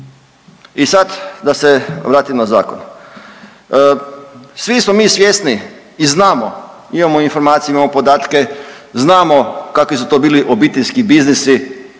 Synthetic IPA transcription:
isad̪d̪aseʋɾaːt̪imnaza̰ːko̰n | sʋismomiːsʋjesniː | znaːmo | imamoinfoɾmaːt̪sijeimamopod̪aːt̪keznaːmokakʋisut̪obiːliʔo̞bit̪eʎʲskibiznisi

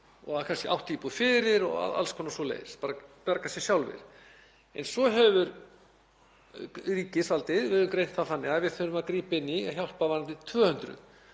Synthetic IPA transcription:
ɔ̰ɣaðakʰanscɪawht̪ʰːiːpufɪɾɪɾɔ̰ɣa̰ða̰lskʰɔnːasɔlḛːjspaːɾapɛɾkasjɛsjawlvɪ̰ɾ̥ | ɛ̰nsɔɦɛvʏɾ | riːcɪsvalt̪ɪðvɪðʏmkɾejnt̪θafθanːɪaðvɪðθœɾʏmaðkɾiːpɪnːiçjawl̥pavant̪ɪt̪ʰvœːhʏnt̪ɾʏ̰

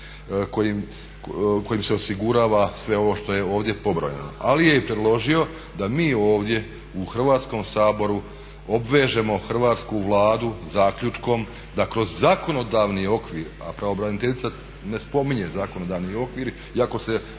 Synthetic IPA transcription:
kojim | ko̞jimse̞osiɡuɾaːʋasʋe̞o̞ʋo̞ʃt̪o̞je̞o̞ːʋd̪je̞po̞bɾo̰ɲḛno̰ʔalijepɾed̪lˠo̞ʒio̞ | d̪amiːo̞ːʋd̪je̞ | uxr̩ʋaːt̪sko̞msaːbo̞ɾu | o̞bʋeːʒe̞mo̞xr̩ʋaːt̪skuʋlˠaːd̪uzaːkʎʲut͡ʃko̞m | d̪akɾo̞zːako̞no̞d̪aːʋnio̞kʋiːɾa̰pɾaobɾanit̪eʎʲit̪sa | ne̞spo̞miɲe̞zakono̞d̪aːʋnio̞kʋiːɾ | iako̞se̞

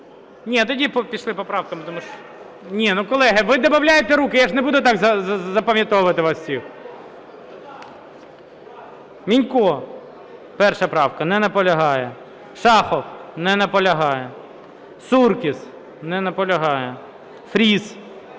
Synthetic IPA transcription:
nʲit̪ɔdʲipɔpʲiʃlˠɪpɔpɾɑwkɐmɪt̪ɔmuʃ | nʲinukɔlˠɛɦɪʋɪd̪ɔbɐwlʲajet̪ɛɾukɪjaʐnɛbud̪ʊt̪ɑɡzɐzɐpɐmʲjɐt̪ɔʋʊʋɐt̪ɪʋɑssʲix | mʲinʲkɔ | pɛrʃɐpɾɑwkɐnɛnɐpɔlʲɐɦɑjɛ | ʃɑxɔpnɛnɐpɔlʲɐɦɑjɛ | surkʲɪs | nɛnɐpɔlʲɐɦɑjɛ | fɾʲis

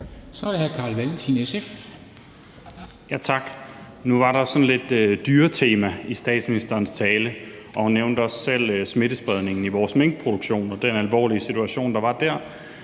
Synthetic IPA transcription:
sɒɾhækʰɑ̈ːlʋælt͡sʰinesef | jæt͡sʰɑ̈ɡ̥ | nuʋɑ̈ɾɑ̈sɒ̽nle̝d̥ød̥yːɐt͡sʰe̝ːmæisd̥ɛ̰ːd̥sminisd̥ɐːnst͡sʰɛːləʔɒ̽hunːeʊnd̥əɒ̽sːel̰sme̝d̥əsb̥ʁɛð̞ˠne̝ŋn̩iʋɒːsmeŋ̰ɡ̥̚pʰʁo̝d̥uɡ̥ɕo̝̰ːnɒ̽d̥enælʋɒ̰ːliəsit͡sʰuæɕo̝̰ːnd̥ɑ̈ʋɑ̈d̥æɐ̰

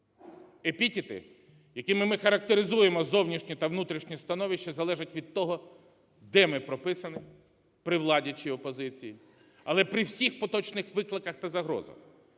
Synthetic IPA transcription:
epʲitʲɪt̪ɪ̰ | jɐkʲimɪmɪxɐɾɐk̚t̪eɾɪzujemɔzɔwnʲiʃnʲit̪ɐʋnut̪ɾʲiʃnʲist̪ɐnɔʋʲiʃt͡ʃːɐzɐlˠɛʒɪtʲʋʲid̪̚t̪ɔɦɔ | d̪ɛmɪpɾɔpɪsɐnɪ | pɾɪwlˠɑdʲɐt͡ʃiɔpɔzɪt͡sʲiji | ɐlˠɛpɾɪwsʲixpɔt̪ɔt͡ʃnɪxʋɪklˠɪkɐxt̪ɐzɐɦɾɔ̰zɐ̰x

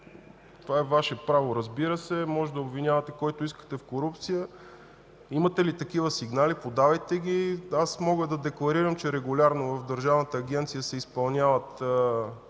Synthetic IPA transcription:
t̪ovaɛvaʃɛpɾavoɾəzbiɾəsɛmɔʒɛd̪ɐobvinʲavɐt̪ɛkɔjt̪oiskə̥t̪ɛfkoɾup̚t̪sijə | imət̪ɛlit̪ɐk̟ivəsiɡnalipod̪avɐjt̪ɛɡʲiasmɔɡəd̪ɐd̪ɛklˠɐɾiɾəmt͡ʃɛɾɛɡʊlʲaɾnovɐfd̪əɾʒavnət̪əːɡʲɛnt̪sijəsɛispɐlˠnʲjavət̪

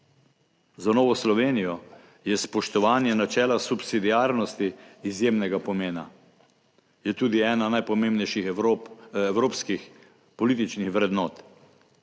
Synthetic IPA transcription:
zanɔːʋɔslɔʋeːnijɔ | jɛspɔʃt̪ɔʋaːnjɛnat͡ʃɛːlasupsid̪iaːɾnɔst̪iːzjeːmnɛɡapɔmeːna̰ | jɛt̪uːd̪iɛːnanajpɔmeːmbnɛjʃixɾoɛwɾoːpskix | pɔliːt̪̬it͡ʃnixʋɾɛd̪nɔːt̪

